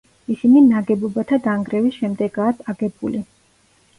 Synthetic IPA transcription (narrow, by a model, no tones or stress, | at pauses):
isininaɡɛbɔbat̪ʰad̪aŋɡɾɛvisʃɛmd̪ɛɡaːkʰʼaɡɛbuli